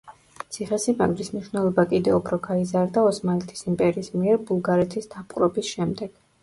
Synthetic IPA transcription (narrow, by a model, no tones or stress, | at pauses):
t̪sʰiχɛsima̰ɡlismniʃwnɛlˠɔbakʼid̪ɛupʰɾɔɡaizaɾd̪aɔsmalɛt̪ʰi̥simpʼɛɾiːsmiɛɾbulˠɡaɾɛt̪ʰisd̪apʼɾɔbisʃɛmd̪ɛɡ̥